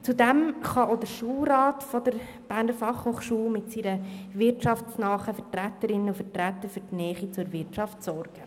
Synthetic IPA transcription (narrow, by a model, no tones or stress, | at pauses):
t͡sudɛmχɑoʊdəɾʃuːlɾɑːtfɔdəɾ | b̥æɾnəɾfɑχhoχʃuːmɪtsiɾəvɪɾtt͡ʃɑftsnɑːχəfətɾætəɾɪnːənufətɾætːəɾfyːɾtnɛːχit͡suɾvɪtʃɑftsɔɾɡ̥ə